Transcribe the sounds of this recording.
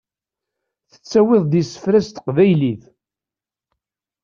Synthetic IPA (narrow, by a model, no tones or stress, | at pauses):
θə̥t͡sːæwɪðˤd̪isə̥fɾæst̪ə̥qvæjlið